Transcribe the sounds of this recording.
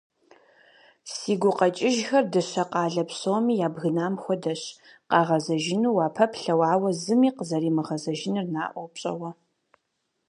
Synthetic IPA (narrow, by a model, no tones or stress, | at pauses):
siːɡʷʊqɐt͡ʃʼɪʒxɐrdɐɕɐqɑːɮɐpsoːmiːjaːbɣɨnaːmxʷɔdɐɕ | qɑːʁɐzɐʒɪnuːwaːpʰɐpɬɐwaːwɐzɨmiːqəzɐɾiːmɨʁɐzɐʒɪnɨrnaːʔʷɔwpɕʼɐ̰wɐ